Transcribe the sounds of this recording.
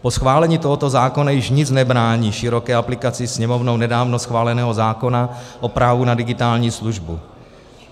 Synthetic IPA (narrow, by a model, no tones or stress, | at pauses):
posxvaːlɛɲiːt̪oɦot̪o̞zaːko̞najɪʃɲɪt͡snɛbɾaːɲiːʃɪɾo̞kɛːaplɪkat͡sɪsɲɛmo̞vnownɛdaːvno̞sxvaːlɛnɛːɦozaːko̞naʔo̞pɾaːvunadɪɡɪt̪aːlɲiːsluʒbu